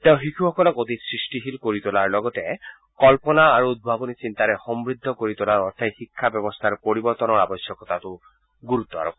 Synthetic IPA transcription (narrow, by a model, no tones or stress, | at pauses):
t̪eʊ̃ɦikʰuhɔkɔlɔkod̪isɹisʈiɦilkoɹit̪ulaɹlɔɡɔt̪ɛ | kɔlpɔnaːɹuud̪̚bʱabɔnisint̪aɾɛxɔmbɹid̪ʱːɔkoɹit̪ulaɹɔɹt̪ʰaxikʰːabɛbɔst̪ʰaɹpoɹibɔɹt̪ɔnɔɹabɔsjɔkɔt̪at̪ʊ | ɡuɾut̪ːɔa̰ɹɔk